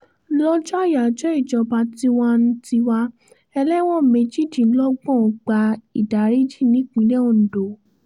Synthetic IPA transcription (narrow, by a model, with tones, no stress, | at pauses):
lɔ˦d͡ʒɔ˦a˦˨ja˨d͡ʒɔ˨˦i˦˨d͡ʒɔ˧ba˧ti˦wa˦n̩˦ti˧wa˧ | ɛ˧lɛ˦w̃ɔ̃˦˨me˨˧d͡ʒi˦˨dĩ˨˦lɔ˦ɡ͡bɔ̃˦˨˧ɡ͡ba˧i˨da˨˦ɾi˦d͡ʒi˦˨nĩ˨˦k͡pĩ˨˦lɛ˦o˨n̩˨do˨